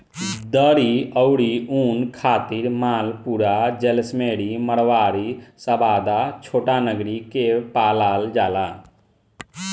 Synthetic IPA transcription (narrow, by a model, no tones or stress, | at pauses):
d̪əɾiəʊɽiuːnkʰaːt̪iɾmaːlpuːɾad͡ʒɛlsmeːɽiməɽʋaːɾisəbaːd̪at͡ʃʰoːʈanəɡɾikepaːlaːld͡ʒaːlaː